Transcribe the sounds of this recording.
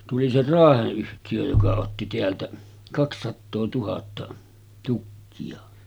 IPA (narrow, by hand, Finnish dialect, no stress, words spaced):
tuli se rɑːheʔ ʔyhtijø jokɑ otːi teæltæ kɑksːɑtːoː tuhɑtːɑ tukːiɑ